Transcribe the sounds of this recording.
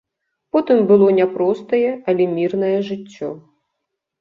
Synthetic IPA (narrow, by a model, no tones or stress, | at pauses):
pɔt̪ɨmbɨlˠɔnʲɛpɾɔst̪ɐjɛɐlʲɛmʲirnɐjɛʐɨt͡sʲːɔ